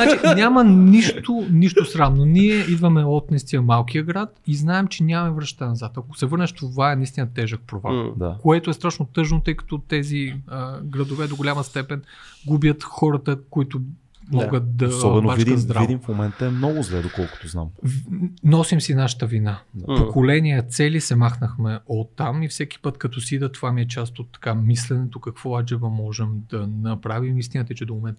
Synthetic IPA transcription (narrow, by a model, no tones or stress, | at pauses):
at͡ʃinʲaməniʃt̪oniʃt̪osɾamnoniɛʔid̪vɐmɛɔt̪nɛst̪iəmalˠk̟ijəɡɾat̪iznaɛmt͡ʃɛnʲamɐmɛvɾɐʃt̪anɐzat̪ɐko̥sɛvɤɾnɛʃt̪ovaɛnɐist̪ʲinət̪ɛʒək̚pɾova̰d̪akoɛt̪oɛst̪ɾaʃnot̪ɤʒnot̪ɤjkɐ̥t̪ɔt̪ɛziəɡɾɐd̪ovɛd̪oɡolʲamɐst̪ɛpɛn | ɡubjət̪xɔɾɐt̪əkoit̪o | mɔɡət̪̚d̪ɐsɔbɛnobavd̪id̪ɾavid̪imfmomɛnt̪əɛmnɔɡʊzlɛd̪okɔlˠkʊ̥t̪ozna̰mvnɔsimsinaʃə̥t̪əvinappokolɛnʲiɛt̪sɛlisɛmaxnəxmɛot̪ːamifsɛk̟i̥pɤt̪kɐt̪ɔsiid̪ət̪ovamiɛt͡ʃast̪ot̪ːɐ̥kamislɛnɛt̪okɐkv̥ɔad͡ʒɛvəmɔʒɛmd̪ɐnɐpɾavimist̪inət̪ɐjt͡ʃɛd̪omomɛnt̪